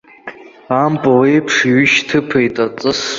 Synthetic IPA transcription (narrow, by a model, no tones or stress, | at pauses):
ampʼawejpʰʂɥʏʃtʰɨpʰejtʼat͡sʼɨs